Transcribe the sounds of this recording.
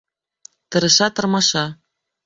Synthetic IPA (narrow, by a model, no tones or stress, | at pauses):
t̪ɤ̆ɾɤ̆ʃɑt̪ɤ̆rmɑʃɑ